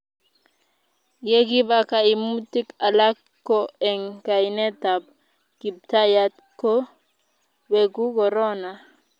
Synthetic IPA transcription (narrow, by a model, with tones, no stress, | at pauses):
je˦ɡi˦ba˦ka˨i˨mu˦ti˦ka˨la˦k | kːo˦ɛ˨ŋka˨i˨nɛ˦ta˨b̚ | ki˨b̚ta˦ja˦t̪ | ko˦ | we˨ɡu˦kɔ˨ɾɔ˦na˨